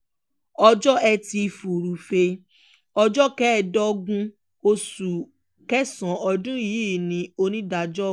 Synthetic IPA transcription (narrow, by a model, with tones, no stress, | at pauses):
ɔ˧d͡ʒɔ˦ɛ˧ti˧fu˨ɾu˨fe˧ | ɔ˧d͡ʒɔ˦kɛ˦˨dɔ˦ɡũ˦ | o˧su˨ | kɛ˦sɔ̃˨ɔ˧dũ˦ji˨˦˨nĩ˧˦o˧nĩ˦da˨˧d͡ʒɔ˦